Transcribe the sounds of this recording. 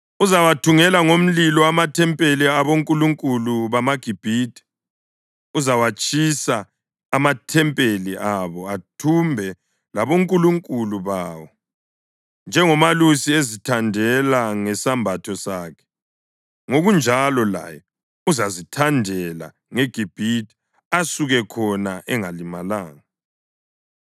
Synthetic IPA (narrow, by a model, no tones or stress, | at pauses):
uzawatʰuŋɛlaŋom̩lilɔamatʰɛmpʼeliaβoŋkʼuluŋkʼuluβamaɡ̥ʱib̥ʱiːtʰʼi̥ | uzawat͡ʃʼisaː | matʰɛmpʼeliʔaβɔatʰumbʱɛ | laβoŋkʼuluŋkʼuluβaːwɔ | nd͡ʒʱɛŋɔmalusiezitʰandʱɛlaŋɛsambʱatʰɔsaːkʰɛ̥ | ŋoɣund͡ʒʱalɔla̰jɛ | uzazitʰandʱɛla̰ | ŋeɡ̥ʱib̥ʱiti̥ | asuɣɛkʰɔnaʔɛŋalimalaːŋa